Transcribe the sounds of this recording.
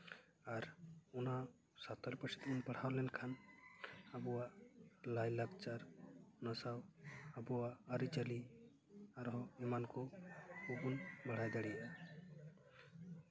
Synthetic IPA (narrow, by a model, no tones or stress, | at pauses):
aɾuna | sat̪ɔlpət͡ʃʰit̪unpəɽ̤awlɛnkʰan | abuwalajlak̚t͡ʃaɾnəsawabuaːɾit͡ʃəli | aɾɦɔimankɔubunməɽ̤ajd̪aɽia